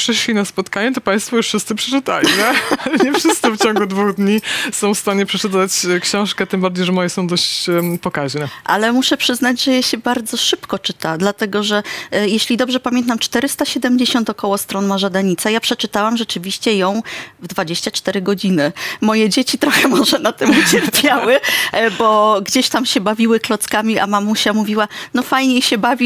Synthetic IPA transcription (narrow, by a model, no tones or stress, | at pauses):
pʂɘʂlʲinaspɔt̪kaɲɛt̪ɔpãj̃st̪fɔjuʂfʂɘst̪sɨpʂɛt͡ʂɨt̪a̰lʲinɛɲɛfʂɘst̪ɨft͡ɕɔ̃ŋɡud̪vuɣd̪ɲisɔ̃w̃fst̪aɲɛpʂɛt͡ʂɘt̪at͡ɕkɕɔ̃w̃ʂkɛt̪ɨmbaɾd͡ʑejʐɛmɔjɛsɔ̃w̃d̪ɔɕt͡ɕpɔkaʑnɛʔa̰lɛmuʂɛpʂɘznad͡ʑʐɛjaɕɛbaɾd̪zɔʂɘpkɔt͡ʂɘt̪ad̪lat̪ɛɡɔʐɛjeɕlʲid̪ɔbʐɛpamʲjɛnt̪amt͡ʂt̪ɛɾɘst̪aɕɛd̪ɛmd͡ʑeɕɔnt̪ɔkɔwɔst̪ɾɔnmaʐad̪aɲit̪sajapʂɛt͡ʂɘt̪awamʐɛt͡ʂɘvʲiɕt͡ɕɛjɔ̃w̃vd̪vad͡ʑeɕt͡ɕat͡ʂt̪ɛɾɘɡɔd͡ʑinɘmɔjɛd͡ʑet͡ɕit̪ɾɔxɛmɔʐɛnat̪ɘmut͡ɕɛɾpʲjawɘbɔɡd͡ʑeɕt̪amɕɛbavʲiwɘklɔt̪skamʲiʔamamuɕɛmuvʲiwanɔfajɲejɕɛbavʲi